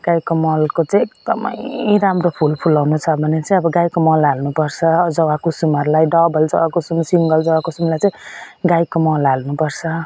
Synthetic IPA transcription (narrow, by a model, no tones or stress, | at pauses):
ɡ̥ajkomʌlkot͡sʌj̃ek̚d̪ʌmʌ̰jɾamropʰulpʰulawnut͡sʰʌbʱʌnet͡sʌĩʌbʌɡajkomʌlalnupʌrt͡sʰʌd͡zʌwakusumʌɾlajɖʌbʌld͡zʌ̰wakosumsiŋɡʌld͡zʌwakosumlajt͡sãĩɡajkomʌlalnupʌrt͡sʰʌ